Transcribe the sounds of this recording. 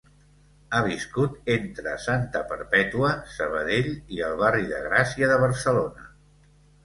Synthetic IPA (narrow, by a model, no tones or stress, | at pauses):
aβiskut̪ent̪ɾə̰sant̪əpəɾpɛt̪uəsəβ̞əðeʎiəlˠβariðə̰ɣɾasiəðəβəɾsəlonə